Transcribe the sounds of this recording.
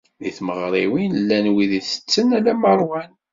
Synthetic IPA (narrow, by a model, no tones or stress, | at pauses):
ðiθməʁɾˤiwinəlːænwiðiθə̥t͡sːənælæməɾˤwæn